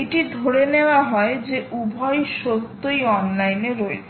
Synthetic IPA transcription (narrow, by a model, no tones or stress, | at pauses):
ʈid̪ʱoɽeneoaɦɔed͡ʑeʔubʱɔjʃolt̪ːojɔnlajneɾɔet͡ɕʰ